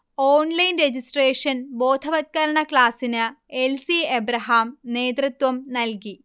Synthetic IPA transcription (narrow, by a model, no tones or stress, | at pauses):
oːnlɐjnred͡ʑisʈreːʂɐnbo̞ːd̪ʱʰɐʋɐt̪̚kɐɾɐɳɐklaːsinɨelsiɐbɾɐɦaːmne̞ːd̪rit̪wɐmnɐlki